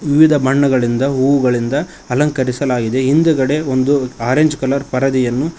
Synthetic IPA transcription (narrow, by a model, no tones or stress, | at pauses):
ʋiʋid̪ʱɐbʱɐɳːɐɡɐɭind̪ɐɦuːʋuɡɐɭind̪ɐ | ɐlɐŋkɐɾisɐlaːɡid̪e̞ɦind̪uɡɐɽe̞o̞nd̪uaːɾeɲd͡ʒkɐlɐɾpɐɾɐd̪ijɐnːu